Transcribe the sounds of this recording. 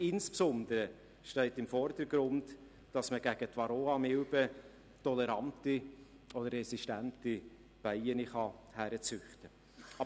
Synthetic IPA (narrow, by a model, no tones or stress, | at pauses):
ɪnspsʊnd̪əɾə | ʃtɛɪtɪmfɔɾdəɾɡɾʊnt | d̥ɑsməɡ̥æɡ̥ətvɑɾoːɑmɪlbə | tɔlɛɾɑnti | ɔd̥əɾːɛsiʃtænti | b̥æɪəniχɑhæɾət͡sʏχtə | ɑ